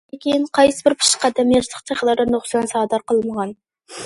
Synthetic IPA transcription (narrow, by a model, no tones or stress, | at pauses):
ekʲejɪnqʰɑjsəbɪɾpʰɨ̥ʃqæd̪æmjeɾsˠəqt̪ʰeχəlˠɑɾd̪ɑnoχsɑnsɑʁd̪ɑɾqəlˠməʁɑn